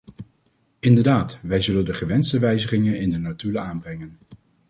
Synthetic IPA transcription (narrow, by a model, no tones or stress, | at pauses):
ɪndəɹdaːtʋɛjzɵləndəχəʋɛnstəʋɛjzəχɪŋənɪndənatyləaːnbrɛŋən